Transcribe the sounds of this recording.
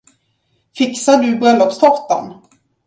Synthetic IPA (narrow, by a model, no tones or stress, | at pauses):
fɪksad̪ɵbɾœlːɔpst̪ʰɔt̪a̰n